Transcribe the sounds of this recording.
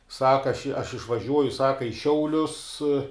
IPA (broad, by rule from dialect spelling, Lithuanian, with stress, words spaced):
ˈsɑːkɐ ɐʃ ɐʃ ɪʃʋɐˈʒʲuɔjʊ ˈsɑːkɐ ɪ ˈʃʲɛʊlʲʊs